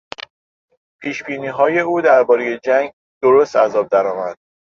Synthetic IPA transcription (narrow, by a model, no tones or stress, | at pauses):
pʰiːʃbiːniːɦɒːje̞uːd̪æɾbɒːɾeje̞d͡ʒæŋɡ | d̪̥oɾoːst̪æzɒːb̚d̪æɾɒːmæd̪̥̚